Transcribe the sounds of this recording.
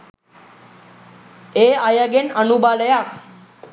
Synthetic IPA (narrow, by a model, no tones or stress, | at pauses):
eajaɡenənubaləja